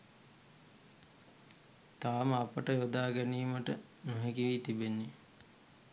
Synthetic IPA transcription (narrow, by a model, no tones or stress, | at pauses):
t̪aːməapəʈəjod̪aːɡæniːməʈə | nuɦekiʋiːt̪ibenːi